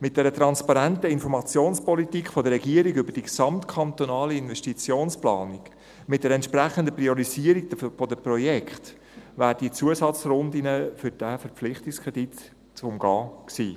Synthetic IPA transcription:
mɪt̚d̥ɛɾət̪ɾɑnspɑɾæntəɪnfɔɾmɑt͡sjoːnspɔlitikχfɔdəɾːɛɡiəɾiɡʏbəɾd̥iksɑmt̪kʰɑnt̪onɑːliɪnvɛʃtit͡sjoːnsplɑːniɡ̥ | mɪt̚d̥ɛɾɛntʃpɾæχənd̪əprioɾiziəɾik̚dfodəprɔjɛkχt̪ | væːɾd̥it͡suəsɑt͡sɾʊndinəfʏɾd̥æfəɾpp͡flɪχt̪ikskʰʁɛd̥it | t͡sʊmɡɑːksḭː

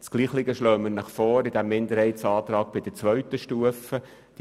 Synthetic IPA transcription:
t͡sɡ̥liːχlɪɡəʃloːmənəχfɔːɾɪd̥æmːɪnd̪əɾhɛɪtsɑːt̪ɾɑːɡ̚b̥ɪd̥ət͡sʋœɥtəʃtuəfə | d̥

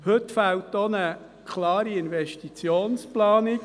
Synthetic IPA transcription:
hɵt̪faltonə | kʰlɑːɾiɪnvɛʃtit͡sjoːnsplɑːnik

